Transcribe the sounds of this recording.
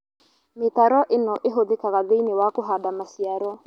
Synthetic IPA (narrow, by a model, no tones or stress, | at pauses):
metaɾɔʔenɔʔeɦoðekaɣaðeinewakoɦadamasiaɾɔ